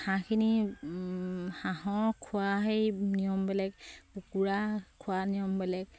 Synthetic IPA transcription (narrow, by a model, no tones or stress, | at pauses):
hãkʰini | hãɦɔɹkʰʊaɦejnijɔmbɛlɛk̚pukuɹakʰʊwanijɔmbɛlɛk